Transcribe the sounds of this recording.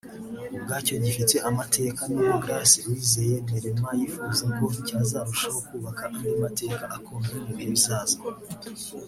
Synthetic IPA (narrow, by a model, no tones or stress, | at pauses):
ubɡaːco̞ɟifite̞ʔamatʰe̞ːkaniβoɡɾasiɾwiːzeje̞neɾemajifuːzako̞icaːzaːɾuʃahokuːβakaʔandimate̞ːkaʔakoːndemuβiɾiβzaːza